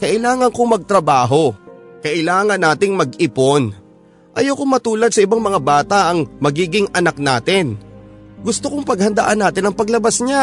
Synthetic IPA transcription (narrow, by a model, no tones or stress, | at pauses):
kɐʔɪlaːŋɐŋkoŋmɐɡ̚t̪ɾɐbaːɦo̞kɐʔɪlaːŋɐnːaːt̪ɪŋmɐɡɪpon | ʔɐjowkoŋmɐt̪uːlɐd̪̚sɐɪbaŋmɐŋabaːt̪aʔɐŋmɐɡiːɡɪŋʔɐnak̚na̰ːt̪ɪnɡʊst̪okoŋpɐɡ̚hɐnd̪aʔanːaːt̪ɪnɐŋpɐɡlɐbasɲa